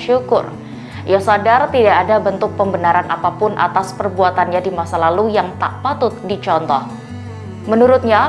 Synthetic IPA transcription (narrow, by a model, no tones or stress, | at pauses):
ʃukʊ̰r | jasadart̪idaʔːdabənt̪ʊk̚pəmbənaɾanʔapapʊnʔa̰t̪aspərbuat̪anɲadimasalalujaŋt̪a̰ʔpat̪ʊt̪̚dit͡ʃɔnt̪ɔh | mənuɾʊt̪̚ɲa